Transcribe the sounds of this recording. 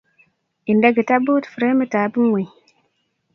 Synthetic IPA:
i˨nda˦ɡə˨ta˦bo˦tfu˨ɾe˦mə˦taː˨˦bə˦nwe˨j

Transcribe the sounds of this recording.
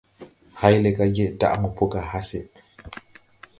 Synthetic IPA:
ha˦jle˨ka˦ɡe˦da̰˦ʔmu˨po˦ka˨ha˦se˨

